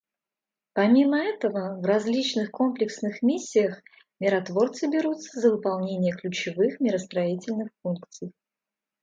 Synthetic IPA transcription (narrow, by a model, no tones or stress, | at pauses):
pɐmʲiməɛt̪əvəvrɐzʲlʲit͡ɕnɨxko̞mplʲɪksnɨxmʲisʲːɪjəx | mʲɪɾɐt̪vo̞rt̪sɨbʲɪɾut̪səzəvɨpɐlˠnʲenʲɪjəklʲʉt͡ɕɪvɨxmʲɪɾəst̪ɾɐitʲɪlʲnɨxfunkt̪sɨj